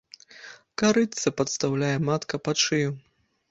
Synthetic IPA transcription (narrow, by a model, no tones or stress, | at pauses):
kaɾɨt̪sɐpɐt̪st̪awlʲajɛmat̪kɐpat͡ʂɨju